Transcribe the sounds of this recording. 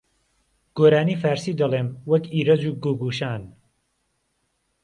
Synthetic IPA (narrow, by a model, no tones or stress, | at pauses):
ɡ̥oːɾaːniːfaːɾsiːd̪ɐlˠeːmwɐkiːɾɐd͡zuːɡoɡuːʃaːn